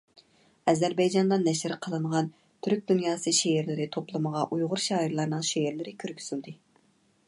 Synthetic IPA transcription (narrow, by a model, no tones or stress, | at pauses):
ɛzæɾbɛjd͡ʒɑnd̪ɑnːɛʃɪɾɪqʰəlˠɨnəʁɑn | t̪ʰyɾk̚ʲd̪unjɑːsɨʃeeɾlɪɾɪt̪ʰoplˠɨməʁɑʔujʁʊɾʃɑːiɾlˠɑɾnɨŋʃeɪɾlɪɾɪkʲʰøɾkʲʰy̥z̥yld̪ɪ